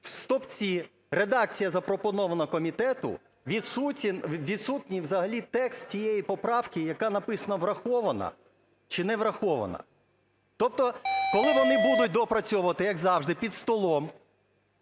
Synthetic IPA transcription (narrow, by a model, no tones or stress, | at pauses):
wst̪ɔpt͡sʲi | ɾed̪ɑk̚t͡sʲijɐzɐpɾɔpɔnɔʋɐnɐkɔmʲit̪ɛt̪ʊ̰ | ʋʲid̪sutʲnʋʲid̪sut̪ʲnʲiwzɐɦɐlʲit̪ɛkst̪t͡sʲijejipɔpɾɑwkɪjɐkɑnɐpɪsɐnɐʋrɐxɔʋɐnɐ̰ | t͡ʃɪnɛʋɾɐxɔʋɐ̰nɐ̰ | t̪ɔp̚t̪ɔkɔlˠɪʋɔnɪbud̪ʊt̚ʲd̪ɔpɾɐt͡sʲɔʊʋɐt̪ɪjɐɡzɑwʒd̪ɪpʲid̪st̪ɔlˠɔm